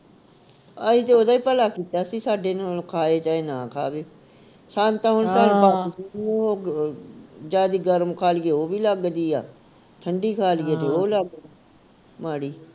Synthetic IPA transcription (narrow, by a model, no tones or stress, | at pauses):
ait̪eːoːd̪aːiːpəlaːkiːt̪aːsĩːsaːɖeːnokʰaːeːt͡ʃaːenãːkʰa̰ːbeː | ʃãːnt̪ãːɦʊnsaːnbaːsioː | d͡ʒaːd̪iːɡəɾmkʰaːlɡeːoːbiːləɡd̪iːa̰ː | t̪ʰəɳɖiːkʰaːlɡeːeoːləɡ̪ | maːɽiː